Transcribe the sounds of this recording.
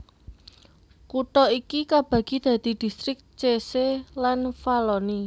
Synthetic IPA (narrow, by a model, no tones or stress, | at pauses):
kut̪ɔikikab̥ä̤ɡ̥i̤d̪̥ä̤d̪̥i̤d̪̥i̤st̪ɾɪk̚t͡ʃeselanfalɔni